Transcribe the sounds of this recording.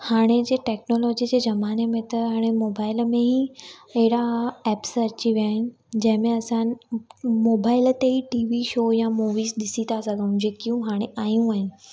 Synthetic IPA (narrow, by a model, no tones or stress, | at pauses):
haːɽ̃ed͡ʑeːʈɛːknoːlɔːd͡ʑid͡ʑeːzɐmaːnemẽt̪ɐɦaːɽ̃emoːbaːɪlmẽɦiɐɦɪɽaɛːpsɐt͡ɕiʋijaːɦɪnɪ̆ | d͡ʑɐ̃ɦɪ̃mẽɐsãn̆ | moːbaːɪlət̪eɦiʈiːʋiʃoːjamuːʋiːsɗɪsit̪asɐɡə̃ʊ̃d͡ʑeːkijũɦaːɽ̃eʔaːjũaːɦɪnɪ̆